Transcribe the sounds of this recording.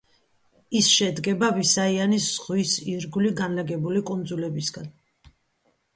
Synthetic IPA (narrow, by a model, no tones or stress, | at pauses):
isʃɛd̪ɡɛbavisaianisz̥ʁwisiɾɡuliɡanlaɡɛbulikʼund̪zulɛbisɡan